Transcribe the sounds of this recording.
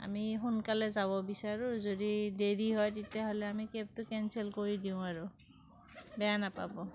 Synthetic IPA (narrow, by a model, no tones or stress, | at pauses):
a̰mixunkalɛzabɔbisaɹʊzodideɹiɦɔjtitjaɦolɛamikep̚tʊkɛnsɛlkoɹidiʊ̃aɹʊ | bɛjanapa̰bɔ